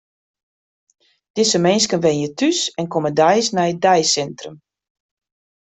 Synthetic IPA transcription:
d̥ɪsəmɛnskənʋɛnjətʰysɛnkomədɛjsnɛjədɛjsɛntrəm

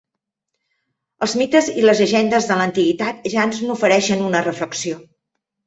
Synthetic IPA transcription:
əlˠzmit̪əziləzʎəʒɛnd̪əzðələnt̪iɣit̪at̪ʒanznufəɾɛʃənunərəfləksio

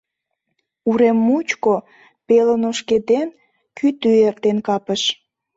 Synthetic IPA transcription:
uɾemːut͡ɕko | pelənoʃked̪en | kʰyt̪yert̪enkɑpəʃ

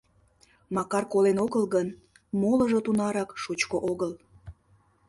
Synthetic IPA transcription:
mɑkɑrkolenoɣəlɣən | moləʒot̪unɑɾɑkʃot͡ɕkoʔoɣəl

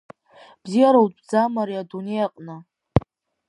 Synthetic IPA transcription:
b̥zijaɾowtʼbd͡zamaɾiadunejaqʼnɨ

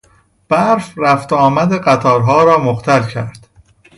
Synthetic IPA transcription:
b̥æɾfɾæft̪ɒːmæd̪eɢæt̪ʰɒːɾɦɒːɾɒːmoxt̪ʰælcʰæ̰ɾd̪̥

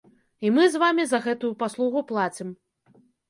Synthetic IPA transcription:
imɨzvamʲizɐɣɛt̪ujupaslˠuɣuplˠat͡sʲim

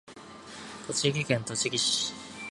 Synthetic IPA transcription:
t̪ot͡ɕiɡʲikẽnt̪o̞t͡ɕiɡʲiɕ

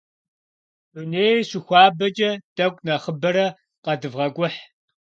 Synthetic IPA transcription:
uneːjɕɪxʷɑːbɐt͡ʃʼɐd̥ɐkʷʼnɐχəbɐɾɐ | qɐdɨvʁɐkʷʼʊħ

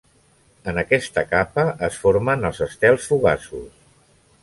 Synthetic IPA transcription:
ənəkɛst̪əkapəʔəsfoɾmənəlˠzəst̪ɛlˠsfuɣa̰sṵs

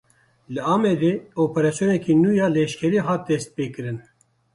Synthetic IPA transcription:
lɨɑːmɛd̪eːoːpɛɾɑsjoːnɛkʰiːnuːjɑːlɛʃkʰɛɾiːɦɑːt̪̚d̪ɛst̪̚peːkɨɾɨn

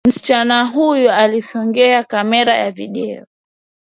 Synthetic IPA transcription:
m̩si̥t͡ʃanaɦujualisɔŋɡɛakamɛɾajaviɗɛɔ

